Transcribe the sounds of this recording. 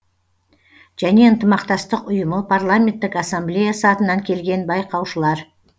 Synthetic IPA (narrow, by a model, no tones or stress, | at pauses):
ʒ̥æne̞ənt̪əmɑqt̪ɑst̪əqʊjəməpʰarlˠamʲe̞nt̪ːɪkasamblʲejasəɑt̪ənɑŋkʲʰe̞lɡʲe̞nbɑjqɑwʃəlˠɑɾ